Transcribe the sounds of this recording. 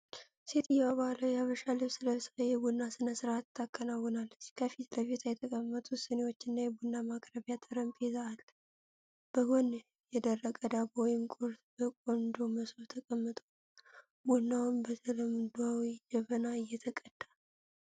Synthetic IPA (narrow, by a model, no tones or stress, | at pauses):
se̞t̪ʰɨjɛwaβaləwjaβəʃalːəβsɨləsajɛbunːasɨnəsɨɾat̪ʰːakʼːənawːɔnalːət͡ʃːkʰəfit̪ləvet̪ʰajɛt̪ʰəkʼəmːət̪ʼusənewo̞t͡ʃːɪnːajɛbunːamakʼɾəβjat̪ʰʼəɾəmpʼezaalː | b̥əhon | jɛd̪ərːəkʼəd̪abɔjɪmkʼuɾt̪bəkʼond̪oməsoβt̪ʰəkʼəmːət̪ʼo | bunːawnbət̪ʰələmd̪awid͡ʒəβənaɨjːɛt̪ʰəkʼəd̪̥ːa